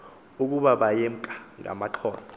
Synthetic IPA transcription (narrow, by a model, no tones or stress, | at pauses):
uk̬ʼuɓaɓajɛm̩kʼḁŋa̰maǃʰɔːsḁ